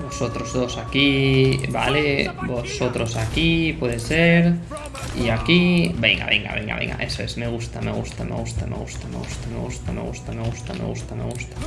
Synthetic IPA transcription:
bosot̪ɾozðosakibalebosot̪ɾosakipwɔðeseɾ | iakibɛŋɡa̰βḛŋɡa̰βḛŋɡa̰βḛŋɡa̰ʔesoesmeɣust̪ameɣust̪amḛɣust̪amḛɣust̪amḛɣust̪amḛɣust̪amḛɣust̪amḛɣust̪amḛɣust̪amḛɣust̪ḁ

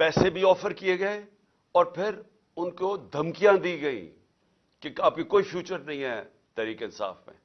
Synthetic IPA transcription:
pɛːsebʱiɔːfəɾkieɡɐe | ɔːɾpʰɪɾ | ʊnkod̪ʱɐmkijãd̪iːɡɐḭ̃ː | keaːp̚kikoːifʰjuːt͡ʃəɾnɐɦĩɦɛː | t̪ɛːɾiːkeɪnsa̰ːfmḛ̃ː

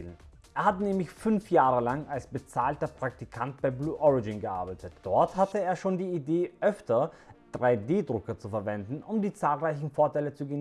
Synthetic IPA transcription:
ln | ʔeːɐhatnɛːmlɪçfʏnfjaːʁəlaŋalsb̥ət͡saːltɐpʁ̥ak̚tikʰantb̥aɪbluːʔɔʁɪd͡ʒɪnɡəʔa̰ɐbaɪtətd̥ɔɐthatəeːɐʃoːndiːideːʔœftɐ | d̥ʁaɪdeːdʁʊkɐt͡sufɛɐvɛndn̩ʔʊmdiːt͡saːlʁaɪçn̩foːɐtaɪlət͡suɡen

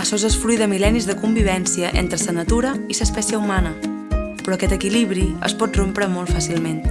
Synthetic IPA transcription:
əsozəsfɾujðəmilɛnizðəkumbiβ̞ɛnsiəʔḛnt̪ɾəsənət̪uɾəisəspɛsiəumanə | pɾɔəkɛt̪əkiliβɾiə̰spɔt̪̚rompɾəmolˠt̪fasilˠmen

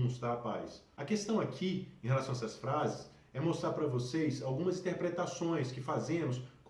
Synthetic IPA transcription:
st̪aapajs | ɐkest̪ɐ̃w̃akʰiẽhelasɐ̃ɛsɐsfɾazɪs | ɛmost̪ɾaɾpɾɐvosejsawɡũmɐzĩt̪eɾpɾet̪asõj̃skɪfazẽmʊsk

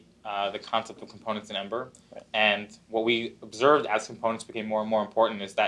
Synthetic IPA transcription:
ðɨkʰɑ̃nsɛp̚tʌv̥kʰm̩pʰõʊ̃nɨ̃ntsɨ̃nɛ̃mbə˞ | ɨ̃nwʌt̚wiəbzɜ˞vdɨz̥kʰm̩pʰõʊ̃ɨ̃ntsb̥kẽɪ̃mɔɹə̃nmɔɹə̃mpʰɔɹʔn̩tɨzðɨ

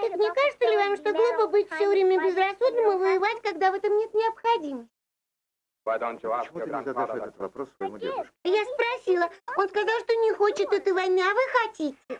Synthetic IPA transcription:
t̪ɨkmnʲekaʐɨt̪səlʲɪvamʂt̪o̞ɡlˠupəbɨtʲfʲsʲɵvɾʲemʲəbʲɪzrɐsud̪nɨmɨvəjɪvatʲkɐɡd̪avɛt̪əmnʲe̞t̪nʲɪɐpxɐdʲiməsʲtʲ | d̪ | s | jaspɾɐsʲilˠəo̞nskɐzɑlˠʂt̪o̞nʲɪxot͡ɕɪt̪ɛt̪ɨvɐjnɨɐvɨxɐtʲitʲɪ

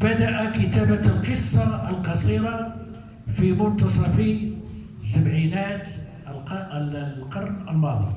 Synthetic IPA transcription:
bad̪aʔækət̪abalqəsˤːɑəlqɑsˤiːɾɑ | fimʊnt̪ɑsˤɑfi | sabʕiːnaːt̪ | l | lqɑɾˤnəlmɑd̪ˤḭ

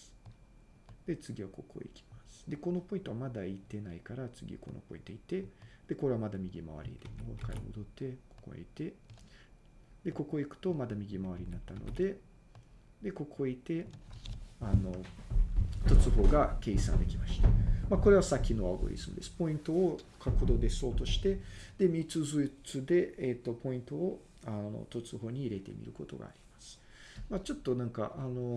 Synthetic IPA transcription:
sɨ̥ | d̪̥e̞t͡sɨɡʲiβako̞ko̞̰ḭkʲi̥masɨ̥d̪e̞ko̞no̞po̞ĩnt̪o̞βamad̪ait̪e̞naikaɾat͡sɨɡʲḭko̞̰no̞̰po̞̰ĩnt̪oit̪e̞d̪̥e̞ko̞ɾe̞βamad̪amʲiɡʲima̰βa̰ɾʲḭd̪emokaɾḭho̰d̪o̞t̪ːe̞ko̥ko̰ɲʲḭt̪e̞ | d̪̥e̞ko̞ko̞ikɯ̟̥t̪o̞mad̪amʲiɡʲimaβaɾʲiɲ̟inat̪ːano̰d̪e̞ | d̪e̞ko̞kʰo̞it̪e̞ | ano̞ | t̪o̞t͡sɨɦo̞ːɡake̞ːsã̰nd̪e̞kʲimaɕi̥t̪amakoɾe̞βasakʲino̞a̰ɡo̞̰ɾʲḭzɨmɯ̟̰d̪e̞sɨ̥po̞ĩnt̪o̞ː | kʰakɯd̪o̞ːd̪e̞so̞ːt̪o̞ɕi̥t̪e̞d̪̥e̞mʲit͡sɨzɨit͡sɨd̪e̞et̪ːo̞po̞ĩnt̪o̞ː | ano̰t̪o̞t͡sɨɦo̞ːɲ̟iːɾe̞t̪e̞̰mʲḭɾɯ̟ko̞t̪o̞̰ɡa̰ːɾʲimasɨ̥ | mat͡ɕo̞t̪ːo̞nãŋka̰ʔano̞

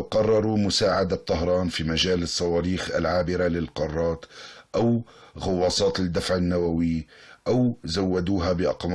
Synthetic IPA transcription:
qɑrˤːɑɾˤumʊsaːʕad̪at̪ˤːɑɦɾˤɑːnfimaʒaːlɨsˤːɑwɑːɾiːxa̰lʕaːbɪɾalɪlqɑrˤːɑːt̪ʔaw | ɣʊwːɑːsˤɑːt̪ɪd̪ːafʕɪnːawawɪʔawzawːad̪uːɦabɪʔɑ̰qm

